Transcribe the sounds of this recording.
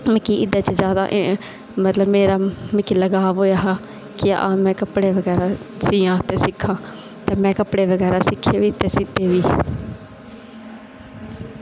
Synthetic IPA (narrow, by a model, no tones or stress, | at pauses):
mɪkiʔɪd̪aːt͡ʃəd͡ʒjaːd̪a̰ːʔ | mət̪ləbmeːɾaːmɪkːiləɡaːʋoːjaːɦɛː | kɪa̰ːmɛ̃ːkəpɽeːʋəɡɛːɾaːsiːãːt̪eːsɪkʰːãː | t̪eːmɛ̃ːkəpɽeːʋəɡɛːɾaːsɪkʰːeːʋiːt̪eːsɪt̪ːeːʋiː